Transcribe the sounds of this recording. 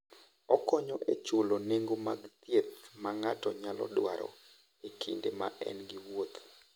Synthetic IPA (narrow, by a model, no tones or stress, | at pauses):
ɔkɔɲɔʔet͡ʃwoloneŋɡomaɡt̪jet̪maŋatɔɲalɔ̰dwaɾɔ̰ | ekʰindema̰ʔɛ̰nɡiwot̪